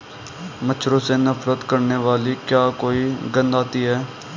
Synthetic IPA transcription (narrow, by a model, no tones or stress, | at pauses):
mət͡ʃʰɾoːseːnəfɾət̪kəɾneːʋaːliːkjaːkoːiːɡə̃nd̪aːt̪iːɦɛː